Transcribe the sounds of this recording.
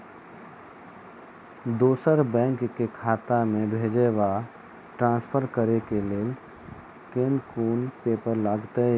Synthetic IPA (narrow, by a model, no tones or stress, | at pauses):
d̪oːsəɾbɛ̃ːŋkkekʰaːt̪amẽbʱeːd͡ʒeʋa | ʈɾãːnspʰəɾkəɾekeleː | keːnkuːnpeːpəɾlaːɡt̪e